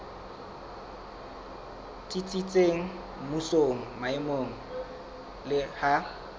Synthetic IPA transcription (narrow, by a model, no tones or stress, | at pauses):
t͡sʼit͡sʼit͡sʼeŋ̩ | musoŋ̩maɪmoŋ̩ | lɪha